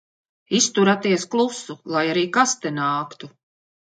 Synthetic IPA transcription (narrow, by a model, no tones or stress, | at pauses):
ist̪uɾat̪iɛsklˠusulˠajaɾiːkast̪ɛnaːkt̪u